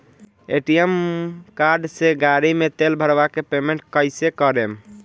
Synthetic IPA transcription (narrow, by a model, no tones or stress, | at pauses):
eʈijemkaɾɖseɡaɾimet̪elbʱəɾbakepemẽɳʈ̚kəɪsekəɾem